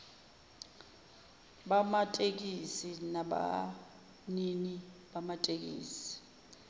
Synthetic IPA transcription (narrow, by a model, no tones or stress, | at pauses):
ɓamatʼek̬isinaɓa̰ | niniɓamatʼek̬ḭːsi̥